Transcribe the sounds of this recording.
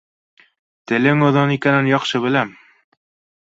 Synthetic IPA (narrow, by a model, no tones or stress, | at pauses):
t̪ɘ̆lɘŋŏðɤnikænɘnjɒqʃɤβɘ̆læm